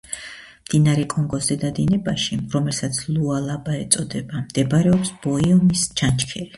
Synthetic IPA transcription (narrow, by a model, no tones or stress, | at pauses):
md̪inaɾɛkʼɔŋɡɔszɛd̪ad̪inɛbaʃiɾɔmɛlsat̪sʰlˠualˠabaɛt̪sʼɔd̪ɛbamd̪̥ɛbɾɛɔpsb̥ɔiɔmist͡ʃʰant͡ʃʰkʰɛli